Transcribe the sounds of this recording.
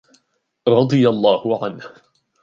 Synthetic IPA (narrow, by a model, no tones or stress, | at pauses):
ɾˤɑd̪ˤɨjalˤːɑːhʊʕanh